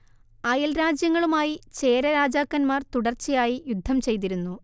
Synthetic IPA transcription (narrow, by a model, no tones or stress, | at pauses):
ɐjɐlɾaːd͡ʑjɐŋːɐɭumaːjit͡ɕe̞ːɾɐɾaːd͡ʑaːkːɐnmaːrt̪uɽɐrt͡ɕːijaːjijud̪ʱːɐmt͡ɕe̞jt̪̬iɾunːu